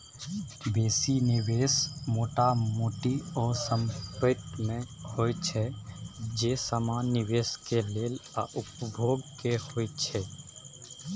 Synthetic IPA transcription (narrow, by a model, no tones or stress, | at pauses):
beːsinɪʋeːsmoːʈamuːʈiɔːɾsə̃mpɪt̪mẽhoːt͡ʃʰɛ | d͡ʒeːsəmaːnɪʋeːskeleːlaʔʊp̚bʱoːɡkehoːit͡ʃʰɛ